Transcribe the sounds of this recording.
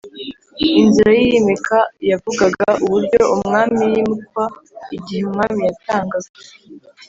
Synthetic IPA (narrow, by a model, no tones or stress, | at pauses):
inziɾajijemekʰajavuɡaɡaʔuβuɾɟo̞umŋaːmijimut̚waiɟiheumŋaːmijataːŋɡaze